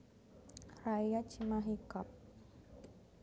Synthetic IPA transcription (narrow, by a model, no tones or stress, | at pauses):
raijat͡ʃimaɦikap̚